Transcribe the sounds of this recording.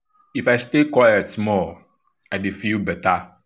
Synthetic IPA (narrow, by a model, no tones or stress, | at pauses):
ifaɪstekwajatmɔ | aɪdefibɛta